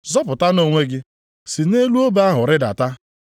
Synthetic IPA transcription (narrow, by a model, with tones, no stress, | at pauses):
zɔ˦pʊ˨ta˦no˦ŋʷe˦ɡɪ˦ | si˨ne˦lu˦o˦ba˦ɦʊ˨ɾɪ˦da̰˨ta˦